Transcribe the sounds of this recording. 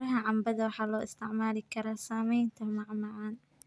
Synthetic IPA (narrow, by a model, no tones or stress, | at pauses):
ɾɐɦɐʕɑmbɐðɐwɑħɑːlɔːʔɪst̪ʰɪʕmaːlɪkʰɐɾaːsaːmɛjnt̪ʰɐmɑʕmɑʕɑːn